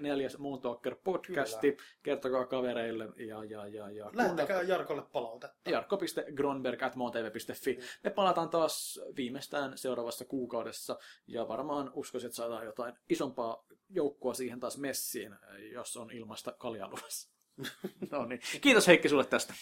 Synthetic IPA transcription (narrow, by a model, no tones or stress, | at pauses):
neljæsmoːnt̪oːkːerpod̥kæst̪ikert̪okɑːkɑʋeɾeilːejɑjɑjɑjɑklæunːekæːjɑrkolːeppɑlɑlt̪ejɑrkːopist̪eɡronberkæt̪moːnt̪eːʋeːpist̪efːimepɑlɑt̪ɑːnt̪ɑːsʋiːmest̪æːnseuɾɑːʋɑsːɑkuːkɑudesːɑjɑʋɑ̰rmɑːnuskosiet̪sɑːt̪ɑːjjot̪ɑinisompɑːjoukːoɑsiːhent̪ɑːsmesːiːnjosːonilmɑst̪ɑkɑljɑ̰luʋɑs | nonnikiːt̪osheikːisulːet̪t̪æst̪æ̥